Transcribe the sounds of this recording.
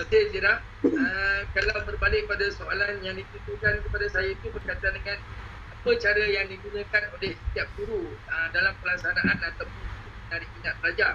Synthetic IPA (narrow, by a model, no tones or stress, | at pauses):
ət̪esiɾah | əkalawbərbalɪk̚əpadasoalanjaŋdit̪it̪ukankəpadasajait̪ubərkat̪adəŋan | apət͡ʃaɾajaŋdiɡunə̃kanolehsət̪iap̚d̪uɾuədalampəlaksanaʔanat̪awpʊnt̪umənaɾik̚minãt̪̚bəlad͡ʒa